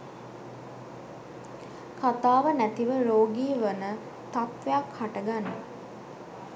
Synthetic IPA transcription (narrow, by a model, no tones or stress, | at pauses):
kat̪aːʋənæt̪iʋəɾoːɡiːʋənə | t̪at̪ʋejakhaʈəɡanːə